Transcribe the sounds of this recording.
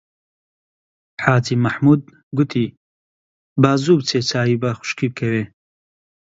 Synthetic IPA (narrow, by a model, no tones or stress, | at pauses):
ħaːt͡sʰimaħmud̪̚ | ɡut̪ʰi | bazubt͡sʰet͡sʰaːibaχʷʊ̥ʃkʰib̚kʰɛwɛ